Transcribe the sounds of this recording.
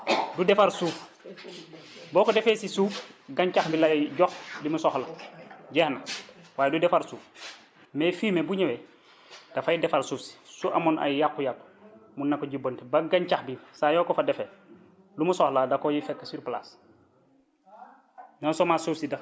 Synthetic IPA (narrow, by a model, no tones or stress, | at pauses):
dudefaɾsuːf | bɔːkɔdefeːsisuːfɡaɲt͡ʃaxbilajɟɔxdimusɔxlaɟɛhnawaːjdudɛfaɾsuːf | mefiːmebuɲewɛ | d̥afajidɛfaɾsufsi̥suʔa̰mɔnʔa̰jjakːujakː | munːakːɔɟibontibaɡaɲt͡ʃaxbisajɔːkɔfadɛfɛ | lumusɔxladakojifɛkːasiɾplaːs | nɔːnsɔmasuːfsida